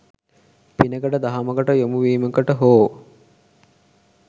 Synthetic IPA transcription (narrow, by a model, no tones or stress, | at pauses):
pinəkəʈəd̪ɐɦaməkəʈəjomuʋiːməkəʈəɦoː